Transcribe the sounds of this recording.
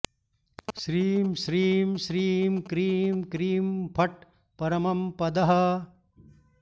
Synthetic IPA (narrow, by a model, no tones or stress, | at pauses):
ʃɾiːmʃɾiːmʃɾiːmkɾiːmkɾiːmpʰɐʈ̚ | pɐɾɐmɐmpɐd̪ɐɦɐ